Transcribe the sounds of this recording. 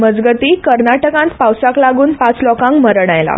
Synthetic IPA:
məd͡zɡət̪ikəɾnaʈəkãnt̪pawsaklaɡuːnpat͡slɔkãŋkməɾɽ̃ajla̰

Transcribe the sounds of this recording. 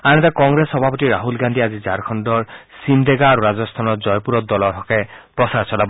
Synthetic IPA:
anɛtakɔŋɡɹesxɔbʱapɔtiɹaɦulɡand̪ʱiazizaɹkʰɔndɔɹsind̪eɡaːɾuɹazɔst̪ʰanɔzɔjpuɹɔt̚dɔlɔtʰɔkɛpɹɔsaɹsɔlab

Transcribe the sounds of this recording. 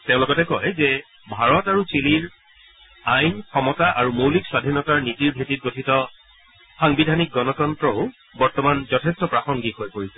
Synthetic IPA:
tẽʊ̃lɔɡɔtɛkɔjzɛ | bʱaɹɔtaɹut͡ʃiliɹ | ajnkʰɔmɔtaʔaɹumowlikswadʱinɔtaɹnitiɹbʱetit̚ɡotʰitɔ | xaŋbidʱanik̚ɡɔnɔtɔntɹɔʊ | bɔɹtɔmanzɔtʰestɔpɹaxɔŋɡiɦojkoɹisɛ̥

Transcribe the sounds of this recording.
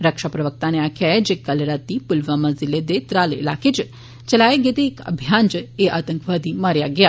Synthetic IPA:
ɾəkʃapɾəʋək̚t̪aneakʰjaed͡ʒekəlɾat̪ːipʊlʋamaziled̪et̪ɾalḛlakʰet͡ʃ | t͡ʃəlaeɡet̪eːkə̰bʱjand͡ʒeʔat̪əŋkʋad̪imaɾjaɡəja

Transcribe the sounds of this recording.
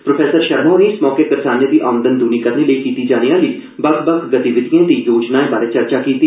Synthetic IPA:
pɾoːpʰɛːsəɾʃəɾmõːneɪsmɔːkekəɾsaːnẽːd̪iːʔaːmənd̪ənd̪uːniːkəɾneːləiːkiːt̪iːd͡ʒaːnijãːləiː | bəkbəkɡət̪iʋɪt̪ijãːd̪iːjoːd͡ʒnaːẽːbaːɾeːt͡ʃəɾt͡ʃaːkiːt̪iː

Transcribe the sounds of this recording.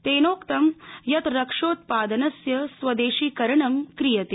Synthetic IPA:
t̪eːnoːkt̪ɐmjɐt̪ɾɐkʂoːt̪̚paːd̪ɐnɐsjɐsʋɐd̪eːʃiːkɐɾɐɳɐmkɾijɐt̪e

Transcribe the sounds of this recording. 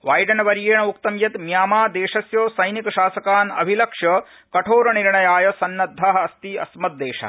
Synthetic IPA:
ʋaːjɖɐnɐʋɐɾeːɳɐukt̪ɐmjɐt̪mjaːmaːd̪eːʃɐsjoːsɐjnikɐʃaːsɐkaːnɐ̰bʱilɐkʂjɐ | kɐʈʰoːɾɐniɾɳɐjaːjɐsɐnːɐd̪ʱːaːɦɐɐst̪iɐ̰smɐt̪̚d̪eːʃɐ̰

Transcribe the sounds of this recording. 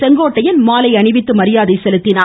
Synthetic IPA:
sɛŋɡoːʈːɐjɐnmaːlɐɪɐɳɪʋɪt̪ːɯmɐɾɪjaːðɐɪsɛlɯt̪ːɪnaː

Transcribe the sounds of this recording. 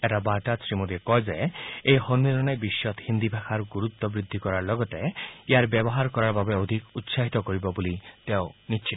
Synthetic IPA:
eʈabaʈasɾimuɾikɔjd͡ʒaeejhɔnːilɔnebiʃjɔt̪hind̪ibʱakʰaɾɡuɾut̪ːɔbɾid̪ʱːikɔɾaɾlɔɡɔt̪eijaɾbjebɔɦaɾkɔɾaɾbabeod̪ʱikut̪saɦit̪ɔkɔɾibɔbulit̪eonit͡ʃʰi

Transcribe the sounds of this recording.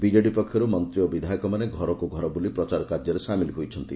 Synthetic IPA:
bid͡ʒeɖipɔkʰːjɔɾumɔnt̪ɾijɔbid̪ʱajɔkɔmaneɡʱɔɾɔkoɡʱɔɾɔbulipɾɔt͡ʃaɾɔkad̪jɔɾesamiliɦojt͡ʃʰɔnt̪i

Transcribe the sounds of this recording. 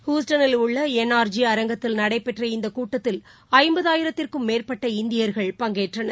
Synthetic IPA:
hjuːsʈɐnɪlʊɭːɐɛnːaːɾd͡ʒiɐɾɐŋɡɐt̪ːɪlnɐɽɐɪpːɛʈrɐɪnd̪ɐkuːʈːɐt̪ːɪl | ɐɪmbɐðaːjɪɾɐt̪ːɪrkɯmːeːrpɐʈːɐɪnd̪ɪjɐɾɣɐɭpɐŋɡeːʈrɐnɐ

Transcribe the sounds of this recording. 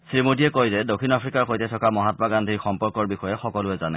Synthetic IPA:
sɹimodiɛkojzɛdokʰinapʰɹikaɹxojtɛtʰɔkamɔɦatɔmaɡandʱixɔmpɔɹkɔɹbixɔjɛxɔkɔlʊɛzanɛ̰

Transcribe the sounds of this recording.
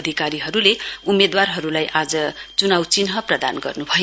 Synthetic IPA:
d̪ʱikaɾiɦʌɾuleumːed̪warɦʌɾulajʔad͡zʌt͡sunawt͡sinɦʌprʌd̪a̰nɡʌ̰rnubʱʌj

